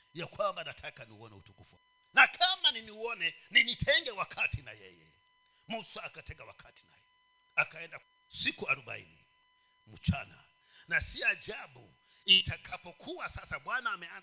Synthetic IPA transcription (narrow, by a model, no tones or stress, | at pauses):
jakwambanatʰakaniuɔnɛṵtukufṵ | nakʰamaniniuɔnɛninitʰɛŋɡɛwakʰatinajɛ̰jɛ̰ | musuakatɛŋɡawa̰kʰatina̰jɛ | akaɛnda | sikuaɾuba̰ḭni | m̩t͡ʃana̰ | nasiad͡ʒabṵ | itakʰapɔkʰuwasasaɓwanaːmɛa